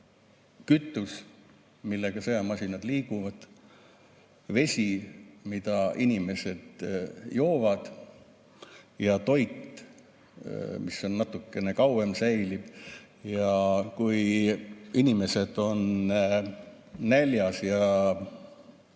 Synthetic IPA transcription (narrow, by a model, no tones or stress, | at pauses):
kyt̪ːˑus | milːeɡ̥ɑseɑmɑsʲinɑd̪liːkuvɑd̪̥ | ve̞sʲimid̪̥ɑʔinime̞se̞d̪̥jo̞ːvɑd̪̥ | jɑt̪o̞jt̪ | misːo̞nːɑt̪ːˑukːe̞ne̞kɑwemsæjlib̥ | jɑkuj | inime̞se̞d̪̥o̞n | ælʲjɑsjɑ